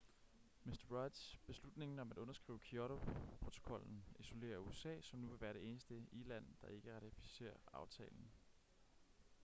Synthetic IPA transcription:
mesd̥ɐʁɑd̥sb̥e̝slud̥ne̝ŋn̩ɒ̽mæd̥ɔ̽nɐsɡ̥ʁḭːʊəkʰiɒɾopʰʁo̝t͡sʰo̝̥kʰɒ̽l̰n̩iso̝le̝̰ːɐuesɛ̰ːsɒ̽mnuʋe̝ʋæːɐɾ̥e̝e̝ːnəsd̥əilæn̰d̥ɑ̈e̝ɡ̥əʁɑ̈t͡sʰifi̥se̝̰ːɐɑ̈ʊt͡sʰɛ̰ːln̩

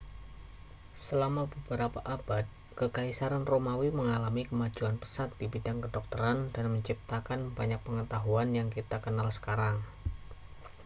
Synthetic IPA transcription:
səlamabəbəɾapaʔab̥at̪̚ | kəkaisaɾanromawiməŋalamikəmad͡ʒuanpə̥sat̪̚dibidaŋkədɔk̚t̪əɾandanməɲt͡ʃip̚t̪akanbaɲak̚pəŋət̪aɦuanjaŋkit̪akənalsə̥kaɾaŋ

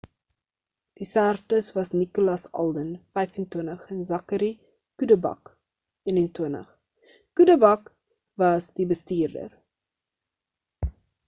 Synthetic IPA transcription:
d̥isærtəsvɐsnikulɑsɐ̰lˠdənfɛjfəntuənəχənzɐkəɾi | kudəbɐ̰k | ənəntuənə̰χ | kudəbɐk | vɐsdibəstiːrdə̰r

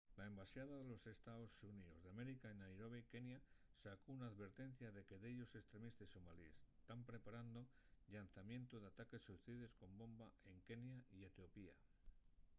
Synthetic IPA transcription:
lae̞mbasjaðaðelo̞se̞st̪aosunio̞zðeame̞ɾikaenajɾoβike̞njasakounaːðβe̞ɾt̪e̞n̟θjaðe̞ke̞ðeʎo̞se̞st̪ɾe̞mist̪esomaliest̪ampɾe̞paɾand̪o̞ʎan̟θamjẽ̞nt̪oðeat̪ake̞sːuθiðe̞sko̞mbo̞mbae̞ŋke̞njaie̞t̪jo̞pia̰

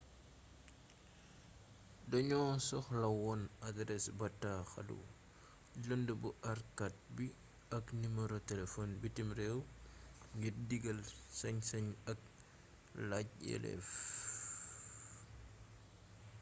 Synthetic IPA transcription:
dɐɲɔːsɔxlɐwɔnadɾɛsbɐtːaxɐ̰lṵ | ɟɔndəbuʔɐrkat̚bi | ɐknimɐɾɔtɛlɛfɔnbitimɾɛw | ŋɡirdiɡɐlsɐɲsɐɲɐk̚ | laɟ̚ɛ̰lɛ̰f

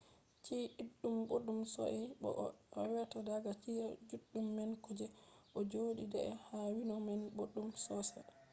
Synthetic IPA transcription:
t͡ʃiʔiɗːumbodumsɔ̰ʔɛɓɔ̰ʔwɛtadaɡat͡ʃiad͡ʒuɗːumːɛnkɔd͡ʒɛʔɔd͡ʒoːɗidɛɛhawinɔmɛnboɗːumsɔsa

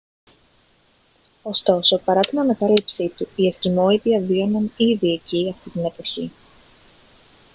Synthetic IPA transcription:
o̞st̪o̞so̞pɐɾɐt̪inɐnɐkɐɾipsit̪uiest̪imo̞it̪iɐvio̞nɐniðie̞ciɐft̪it̪ine̞po̞çi

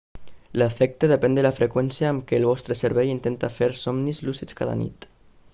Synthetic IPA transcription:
lafɛk̚t̪eð̞epɛnd̪əlafɾekwɛnsiaːmkeːlβɔst̪ɾeseɾβɛjint̪ent̪afeɾsɔmnizlusit͡ska̰ða̰nḭt̪

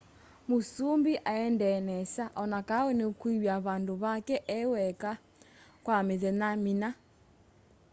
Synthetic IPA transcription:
mosumbiʔaɛndɛnɛsaʔɔnakaɛnekuiwjaβandoβakɛʔɛwɛka | kwameðɛnamina

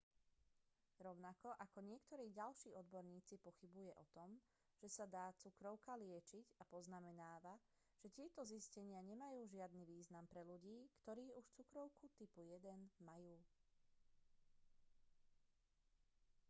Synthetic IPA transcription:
ɾɔʊnakɔʔakɔɲɪɛkt̪ɔɾiːɟalʃiːɔd̪bɔɾɲiːt͡sipɔxibujɛʔɔt̪ɔm | ʒ̥ɛsad̪aːt͡sukɾɔʊkalɪɛt͡ʃiɟapɔznamɛnaːʋa | ʒ̥ɛc̪ɪɛt̪ɔziscɛɲɪaɲɛmajuːʒɪad̪niʋiːznampɾɛʎuɟiːkt̪ɔɾiːuʃt͡sukɾɔʊkut̪ipujɛd̪ɛnmajuː

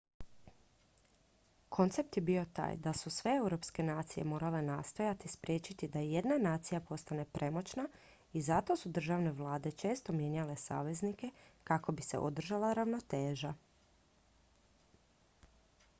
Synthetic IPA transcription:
kʰo̞nt̪se̞p̚t̪jebio̞t̪a̰ːjd̪asusʋe̞e̞wɾo̞pske̞naːt̪sije̞̰moːɾale̞nast̪o̞jat̪ispɾje̞ːt͡ɕit̪id̪aje̞d̪nanaːt̪sijapo̞st̪ane̞pɾʔe̞mo̞t͡ɕna | izat̪o̞sud̪r̩ʒaʋne̞ʋlˠaːd̪e̞t͡ʃe̞ːst̪o̞mje̞ɲale̞sa̰ːʋe̞znike̞kako̞bise̞̰ʔo̰d̪r̩ʒalˠaɾaʋno̞t̪e̞ːʒa

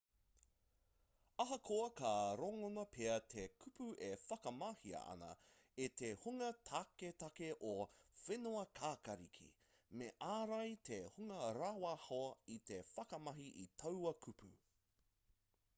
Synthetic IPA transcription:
ɐɦɐkʰoɐkaɾoŋonɐpʰeɐt̪ʰekʰʉpʰuʔefɐkɐmɐhiɐ̰ɐ̰nɐ̰ | et̪ʰehuŋɐtʰaket̪ɐkeʔofenuɐkʰaːkɐɾḭkʰḭ | meʔaːɾɐjt̪ʰehuŋɐɾaːwahoɐit̪ʰefɐkɐmɐɦiʔitʰɐwɐkʰupʰʉ̰

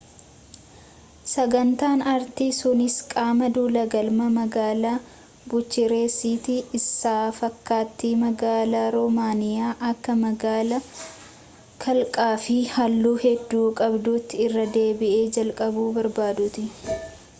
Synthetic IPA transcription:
sɐɡɐnt̪aːnɐɾt̪isʊnɪskʼaːmɐd̪uːlɐɡɐlmɐmɐɡaːlaː | bʊt͡ʃːɪɾe̞ːsiːt̪ɪɪsːaːfɐkːaːt̪ːiːmɐɡaːlaːɾɔmaːnɪjaːʔɐkːɐmɐɡaːlɐ | kʰɐlkʼaːfɪhɐlːuːhɛd̪ːuːkʼɐbd̪uːt̪ːɪːrːɐd̪eːbɪʔeːd͡ʒɐlkʼɐbuːbɐɾbaːd̪ʊt̪ɪ

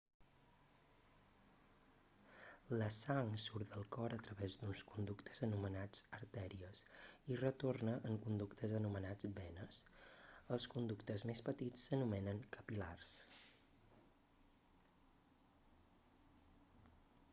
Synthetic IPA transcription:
ləsaŋsuɾd̪əlˠkɔɾət̪ɾəβezd̪unskund̪ukt̪ʰə̥zənumənad͡zəɾt̪ɛɾiəsirət̪ornəʔːŋkund̪ukt̪ʰəzənumənad͡zbɛnəsəlˠskund̪ukt̪əzmespət̪it͡sːənumɛnəŋkəpila̰rs

